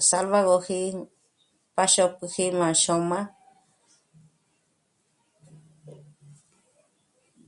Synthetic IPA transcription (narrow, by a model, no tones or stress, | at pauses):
salβaɣohi | paʃokɨhimãʃomã